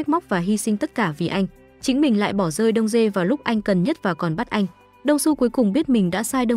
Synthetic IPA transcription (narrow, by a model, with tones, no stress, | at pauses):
k̚ma˦˥k͡p̚vaː˨˩ɦi˧sï˧ŋt̪ə˦˥t̚kaː˧˩vi˨˩ʔa˧jŋ̟ | t͡ɕï˨˦ŋ̟mï˨˩ŋ̟la̰ː˧˨jɓɔ˧˩zəː˧jɗə˧wŋ͡mze˧vaː˨˩lʊ˦˥k͡p̚ʔa˧jŋ̟kə˨˩nɲə˦˥t̚vaː˨˩kɔ˨˩nɓa˦˥t̚ʔa˧jŋ̟ | ɗə˧wŋ͡msu˧ku˨˦jkʊ˨˩ŋ͡mɓi˦˥ət̚mï˨˩ŋ̟ɗa̰ː˧˥saː˧jɗə˧w